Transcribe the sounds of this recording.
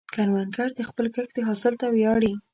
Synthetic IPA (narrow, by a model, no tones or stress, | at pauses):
kaɾwankaɾd̪əxpəlkəxd̪əɦɑsɪlt̪awjɑɽi